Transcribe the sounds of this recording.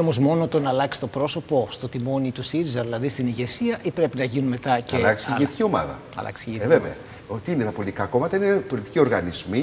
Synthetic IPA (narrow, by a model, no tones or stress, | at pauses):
omozmo̞not̪o̞nɐːlɐksi̥t̪opɾo̞so̞post̪o̞t̪imo̞nit̪usiɾizɐðilɐðist̪iniʝe̞siɐʔipɾe̞pinɐʝinunme̞t̪ɐcelɐksiʝet̪i̥cio̞mɐðɐ̰ | ɐ̰lʔɐ̰ksveveɐ | ot̪iinet̪ɐpo̞lʲit̪ikɐko̞mɐt̪ɐinepo̞lit̪i̥cio̞ɾɣɐnizmi